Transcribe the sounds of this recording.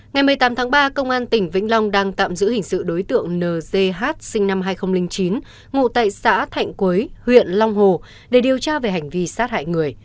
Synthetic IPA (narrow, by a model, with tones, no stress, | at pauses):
ŋa˨˩jmɨ˨˩əjt̪aː˨˦mt̪ʰaː˨˦ŋɓaː˧kə˧wŋ͡mʔaː˧nt̪ï˧˩ŋ̟vḭ̈˧˥ŋ̟la˧wŋ͡mɗaː˧ŋt̪a̰ː˧˨mzɨ̰˧˥hï˨˩ŋ̟sɨ̰˧˨ɗo˨˦jt̪ɨ̰˧˨əŋnəː˨˩ze˧ɦaː˦˥t̚sï˧ŋ̟na˧mɦaː˧jxə˧wŋ͡mlï˧ŋ̟t͡ɕi˨˦n | ŋṵ˧˨t̪a̰ː˧˨jsa̰ː˧˥t̪ʰa̰˧˨jŋ̟kwi˨˦jhwḭ˧˨ənlɔ˧wŋ͡mɦo˨˩ | ɗe˧˩ɗi˨˩əwt͡ɕaː˧ve˨˩ɦa˨˩jŋ̟vi˧saː˦˥t̚ha̰ː˧˨jŋɨ˨˩əj